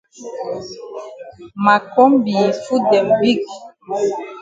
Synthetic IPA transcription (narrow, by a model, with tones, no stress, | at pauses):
ma˨kɔ˦mbi˨fu˦dɛ˨mbi˦ɡ